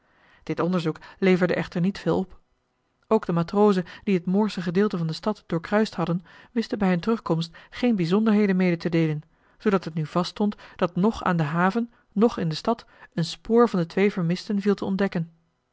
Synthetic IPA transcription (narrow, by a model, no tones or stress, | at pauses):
d̥ɪtɔndəɹzuklejvəɹdəʔɛχtəɹnitfɪːlˠɔp | owɡdəmaːtroːwzənd̥iɦətmʊːɹsəχədɪːlˠtəvɑndəstɑtd̥ʊːɹkrœɥstɦɑdənʋɪstəbɛjɦəntərɵχkɔmstχejnbizɔndəɹɦejdənmejdətədejlən | z̥owdɑtɦətnyv̥ɑststɔntd̥ɑtnɔχa̰ːndəɦaːvənː | ɔχɪndəstɑt | ənspoːɹvɑndətʋejvəɹmɪstənvilˠtəɔndɛkən